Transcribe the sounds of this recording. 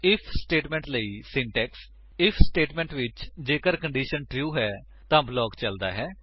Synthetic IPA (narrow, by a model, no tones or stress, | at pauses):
ɪpʰsʈeːʈmɛ̃ːɳʈləiːsɪɳʈɛːks | ɪpʰsʈeːʈmɛ̃ːɳʈʋɪt͡ʃd͡ʒeːkəɾkəɳɖiːʃənʈɾjuːɦɛː | t̪ãːblɔːkt͡ʃəld̪a̰ːɦɛː